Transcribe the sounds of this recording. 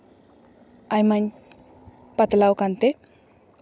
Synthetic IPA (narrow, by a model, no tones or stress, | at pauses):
ajmaɲ | pat̪lawkant̪e